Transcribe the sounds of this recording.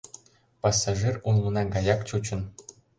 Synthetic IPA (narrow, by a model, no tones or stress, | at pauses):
pɑsɑʐirunlˠɤ̆nɑɡɑjɑkt͡ɕut͡ɕɤ̆n